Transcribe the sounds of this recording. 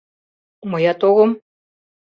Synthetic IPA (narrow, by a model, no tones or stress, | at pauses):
mɤjɑt̪oɣɤ̆m